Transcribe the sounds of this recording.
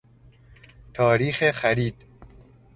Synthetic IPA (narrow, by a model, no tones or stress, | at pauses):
t̪ʰɒːɾiːxexæɾiːd̪̥